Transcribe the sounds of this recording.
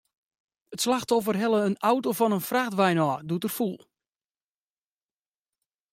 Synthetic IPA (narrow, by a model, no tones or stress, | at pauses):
ətslaxtɔfərɦɛlˠəənawtofɔnənfraxtʋɛjnɔːdutərfulˠ